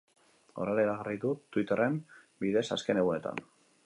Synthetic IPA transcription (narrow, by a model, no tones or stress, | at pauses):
o̰reɾaiɾaɣariðut̪wit̪ere̞m | biðe̞sa̰ske̞ne̞ɣune̞t̪a̰n